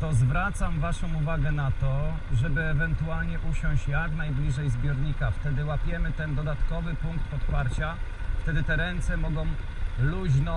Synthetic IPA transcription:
t̪ɔzvɾat̪samvaʂɔ̃w̃uvaɡɛnat̪ɔ | ʐɛbɘɛvɛnt̪ualɲɛʔuɕɔ̃w̃ɕt͡ɕjaknajblʲiʐɛjzbʲjɔɾɲikaft̪ɛd̪ɘwapʲjɛmɘt̪ɛnd̪ɔd̪at̪kɔvɘpuŋk̚t̪pɔt̪paɾt͡ɕa | ft̪ɛd̪ɘt̪ɛɾɛnt̪sɛmɔɡɔ̃w̃ | luʑnɔ

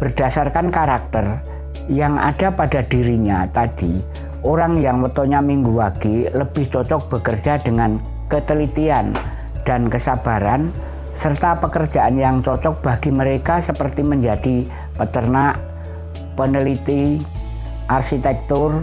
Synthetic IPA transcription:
b̥ərd̥asarkankaɾak̚t̪ər | jaŋʔa̰d̥apad̥ad̥iɾiɲat̪ad̥i | ʔoɾaŋjaŋwət̪ɔɲamiŋɡuwaɡ̥iləb̥ɪht͡ʃɔt͡ʃɔk̚b̥əkər̥d͡ʒadəŋan | kət̪əlit̪ian | d̥ankəsab̥aɾan | sərt̪apəkərd͡ʒaʔanjaŋt͡ʃɔt͡ʃɔk̚b̥aɡ̥iməɾekasəpərt̪iməɲd͡ʒadi | pət̪ərnaʔ | pənəlit̪i | ʔarʃit̪ɛk̚t̪ʊr

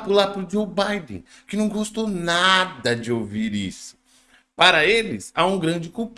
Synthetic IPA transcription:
pʊlapɾʊd͡ʒowbajd̪ḛ̃ | kɪnɐ̃w̃ɡost̪onad̪ɐd͡ʒɪowviɾḭsʊ̥ | paɾɐelɪsaũɡɾɐ̃d͡ʒɪkuwp

